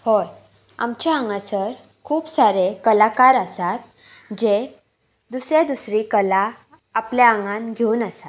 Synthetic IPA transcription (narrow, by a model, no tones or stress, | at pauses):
hoj | a̰mt͡ɕaaŋɡasəɾ | kʰuːpsaɾekəlakaɾasat̪̚ | d͡ʑe | d̪usɾed̪usɾikəlaː | pljaəŋɡãnɡʱeuːnəsat̪